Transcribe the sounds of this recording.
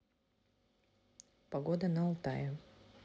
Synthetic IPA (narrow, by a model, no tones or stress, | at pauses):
pɐɡod̪ənɐɐlˠt̪a̰jʊ